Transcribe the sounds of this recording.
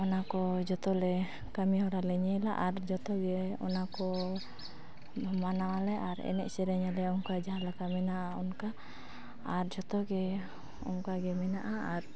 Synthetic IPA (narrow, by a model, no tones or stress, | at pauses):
ɔnakɔd͡ʒɔt̪ɔlɛ | kamihɔɾalɛɲɛla̰ʔaɾd͡ʒɔt̪ɔɡɛɔ̰nakɔ | bʱɔmanawalɛʔaɾɛ̰nɛ̰ʔsɛɾɛɲɛlɛɔŋkad͡ʒaɦalakamɛnaʔaɔnkaː | ɾd͡ʒɔt̪ɔɡɛ | ɔ̰ŋkaɡɛmɛnaʔaaɾ